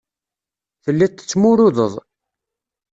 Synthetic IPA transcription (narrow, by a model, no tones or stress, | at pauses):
θəlːit̪ːə̥t͡sːmʊɾʊðəðˤ